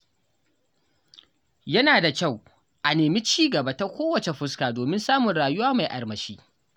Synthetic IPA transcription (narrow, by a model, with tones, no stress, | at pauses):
jɐ˦naː˨da˨kʲa˦˨w | ʔa˨neː˨mi˦t͡ʃiː˦ɡɐ˨ba˦ta˦kʷoː˦wɐ˨t͡ʃe˨ɸʊ˦skaː˨doː˨mɪ˦nsaː˦mʊ˨nɽaː˨jʊ˦waː˦ma˨jʔa̰˨ɽmɐ˨ʃiː˦